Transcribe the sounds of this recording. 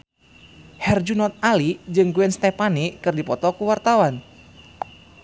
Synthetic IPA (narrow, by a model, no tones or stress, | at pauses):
hɛrd͡ʒunɔt̪̚alid͡ʒɨŋɡuɛnst̪ɛpanikɨrdipɔt̪ɔkuwart̪awan